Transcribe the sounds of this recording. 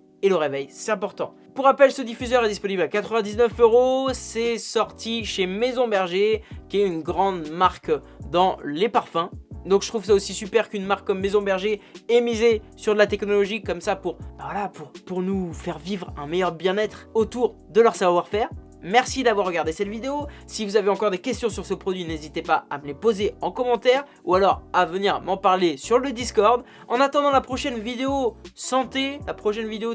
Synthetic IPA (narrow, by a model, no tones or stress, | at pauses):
eləʁevɛjsɛt̪ɛ̃pɔʁt̪ɑ̃ | puʁapɛlsəd̪ifyzœʁɛd̪ispɔniblakat̪χəvɛ̃d̪iznœføʁosɛsɔʁt̪ʰiʃemezɔ̃bɛʁʒekʲiɛynɡʁɑ̃d̪maʁk | d̪ɑ̃lepaʁfɛ̃d̪ɔ̃kʒət̪χuvsaosisypɛʁkynmaʁkːɔmːezɔ̃bɛʁʒeɛmizesyʁd̪əlat̪ɛknɔlɔʒikɔmsapuʁb̥avwalapuʁpuʁnufɛʁvivʁɛ̃mejœʁbjɛ̃nɛt̪χot̪uʁ | d̪əlœʁsavwaʁfɛːʁ | mɛʁsid̪avwaʁːəɡaʁd̪esɛt̪vid̪eosivuzaveɑ̃kɔʁd̪ekʲɛst̪jɔ̃syʁsəpχɔd̪ɥinezit̪epaamlepozeɑ̃kɔmɑ̃t̪ɛʁ | ualɔʁavəniʁmɑ̃paʁlesyʁləd̪iskɔʁd̪ | ɑ̃nat̪ɑ̃d̪ɑ̃lapχɔʃɛnvid̪eosɑ̃t̪elapχɔʃɛnvid̪eo